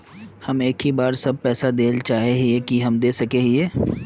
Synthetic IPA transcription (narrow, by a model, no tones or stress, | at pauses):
hɐmeːkɦibaːɾsɐb̚pɛːsad̪eːlt͡ʃaːɦeɦiekiɦɐmd̪eːsɐkeːɦieː